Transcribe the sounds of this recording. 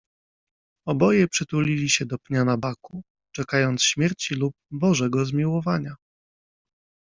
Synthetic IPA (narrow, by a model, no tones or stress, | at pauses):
ɔbɔjɛpʂɘt̪ulʲilʲiɕɛd̪ɔpɲanabaku | t͡ʂɛkajɔnt̪sɕmʲjɛɾt͡ɕilup̚bɔʐɛɡɔzmʲiwɔvaɲa